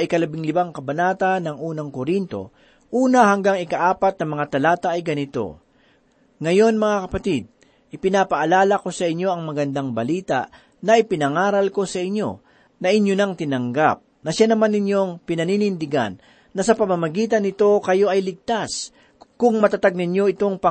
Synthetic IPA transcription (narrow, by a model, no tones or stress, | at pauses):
ɐjkɐlɐbɪŋlɪbaŋkɐbɐnaːt̪ɐnːɐŋʔuːnɐŋkoɾint̪o̞̰ | ʔuːnɐɦɐŋɡaŋɪkɐʔaːpɐt̪̚nɐmɐŋat̪ɐlaːt̪ɐːjɡɐnɪt̪o̞̰ | ŋɐjo̞nmɐŋakɐpɐt̪id̪̚ | ʔɪpɪnapɐʔɐlaːlɐko̞sɐʔɪɲːo̞ɐŋmɐɡɐnd̪aŋbɐliːt̪a̰ʔ | nɐʔɪpɪnɐŋaːɾɐlko̞sɐʔɪɲːo̞̰ | nɐʔɪɲjonɐŋt̪ɪnɐŋɡa̰p̚nɐʃanɐmanːɪɲjo̞ŋpɪnɐniːnɪnd̪ɪɡa̰nː | ɐsɐpɐmɐmɐɡiːt̪ɐnːɪt̪o̞kɐjo̞ʔɐjlɪɡ̚t̪as | kʊŋmɐt̪at̪aɡ̚nɪɲjo̞ɪt̪o̞ŋpɐ